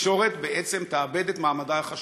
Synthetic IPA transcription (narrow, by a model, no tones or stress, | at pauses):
ʃo̞ʁet̪beʔet͡semt̪aːbe̞d̪et̪maːmad̪aaχaʃ